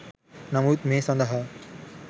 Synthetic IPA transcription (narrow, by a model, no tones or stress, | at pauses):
nɐmuːt̪̚mesɐ̃nd̪ɐɦɐ